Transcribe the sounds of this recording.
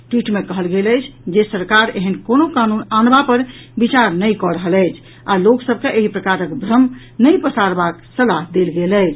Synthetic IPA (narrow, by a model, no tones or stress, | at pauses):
ʈwiʈmekəɦəlɡeləjt͡ʃʰd͡ʒesəɾkaɾḛɦənkonokanunanbapəɾ | bit͡ʃaɾnəjkɔɾəɦələjt͡ʃʰ | aloksəb̚keʔeɦipɾəkaɾəkbɾəm | nəjpəsaɾbaksəlaɦd̪elɡeləɪt͡ʃʰ